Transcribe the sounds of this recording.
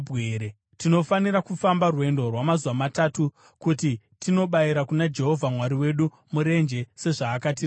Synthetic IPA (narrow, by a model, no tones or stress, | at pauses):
bʱeɾe | tino̞faniɾakufambarwe̞ndo̞rwamazuwamatatu | kuti | tino̞ɓaiɾakunad͡ʒe̞ɦo̞vʱamwaɾiwe̞ɗu | muɾe̞nd͡ʒe̞se̞ʐaːkat̬ir